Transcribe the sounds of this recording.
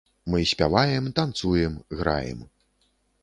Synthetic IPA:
mɨsʲpʲavajɛmt̪ant̪sujɛmɣɾa̰jɛ̰m

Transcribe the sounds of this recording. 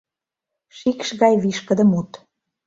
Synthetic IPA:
ʃikʃɣɑjβiʃkə̆d̪ə̆mut̪

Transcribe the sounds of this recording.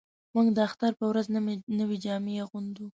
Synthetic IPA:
muɡd̪əaxt̪aɾpəwɾaznnəwed͡ʒɑmejaɣund̪u

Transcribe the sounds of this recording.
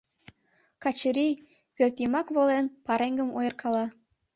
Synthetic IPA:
kɑt͡ɕəɾʲij | pørt̪imɑkβolenpɑɾeŋɡəmojɤ̆rkʰɑlɑ

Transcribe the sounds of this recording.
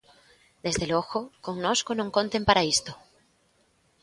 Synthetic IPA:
d̪ezðeloɣokoŋnoskonõŋkont̪empaɾaist̪o

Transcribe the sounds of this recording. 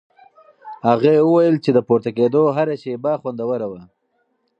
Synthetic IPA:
haɣewəwajəlt͡ʃed̪əpuɾt̪aked̪oɦaɾaʃebaxwand̪awəɾawa

